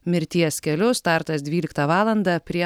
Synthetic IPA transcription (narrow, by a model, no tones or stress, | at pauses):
mʲɪɾʲt̪ʲiɛskʲɛlʲʊst̪ɑˑɾt̪ɐsd̪ʲʋʲiːlʲɪkt̪ɑʋɑːlˠɐnd̪ɑpʲɾʲiɛ